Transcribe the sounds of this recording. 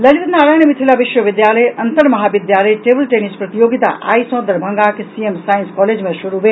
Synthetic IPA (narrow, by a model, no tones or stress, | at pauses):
ləlit̪naɾajnemit̪ʰilabiʃwəbid̪jaləjɐnt̪əɾmɐɦabid̪jaləjʈebəlʈenispɾət̪ijoɡit̪a̰ʔa̰jsɔ̃d̪əɾbʱəŋɡakesiemsajĩnskɔled͡ʒmesuɾube